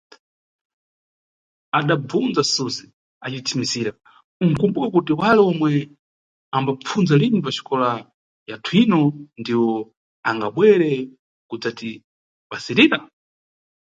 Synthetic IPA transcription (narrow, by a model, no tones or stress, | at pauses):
aɗab͡vund͡zasuzi | at͡ʃitʰimisiːɾa | uŋ̩kumbukakut̬iwalɛɔmwɛ | ambap͡fʰund͡zalinipat͡ʃʰi̥kɔla | jatʰwinɔndiwɔ | aŋɡaɓwɛɾɛ | kud͡zati | ɓasiɾiːɾa